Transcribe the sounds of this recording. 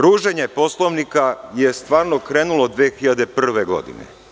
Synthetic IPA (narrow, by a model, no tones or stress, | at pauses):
ɾuːʒe̞ɲepo̞slˠoʋnikajest̪ʋaːɾnokɾeːnulˠod̪ʋeːxiʎad̪epr̩r̩ʋe̞ɡo̞̰d̪ḭnḛ